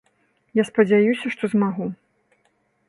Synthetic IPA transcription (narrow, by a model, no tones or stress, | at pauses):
jaspɐd͡zʲajusʲɐʂt̪ɔzmaɣu